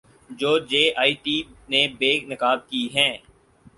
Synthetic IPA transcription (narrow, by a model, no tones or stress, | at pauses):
d͡ʒoːd͡ʒeːʔaːiːʈiːnebeːnɪkaːd̪̚kiːɦɛ̃ː